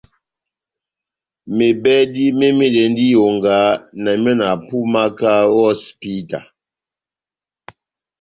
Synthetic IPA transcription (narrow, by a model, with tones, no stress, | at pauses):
me˨bɛ˦di˦me˦me˦dɛ˨˦n˦di˦jo˨ŋ˨ɡa˨˦na˨m˦ɔ˦na˨pu˦ma˦ka˦wɔ˦spi˦ta̰˨